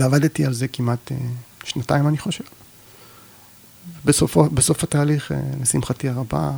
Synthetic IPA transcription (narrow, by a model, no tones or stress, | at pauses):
veavadetialze̞kimat̪eʃnataimaniχo̞ʃe̞v | vebesofobesofataːliχḛlesimχatiaʁaba̰